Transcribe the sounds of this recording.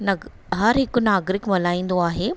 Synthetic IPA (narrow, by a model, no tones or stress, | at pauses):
nɐ | ɦɐɾɦɪkʊnaːɡɾɪkmɐlaːĩːnd̪oaːɦeː